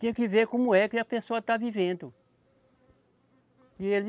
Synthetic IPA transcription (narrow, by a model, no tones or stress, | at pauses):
t̪ẽj̃ɐkɪveɾkõmʊɛkɪɐpesoɐt̪avivẽnd̪ʊ | iel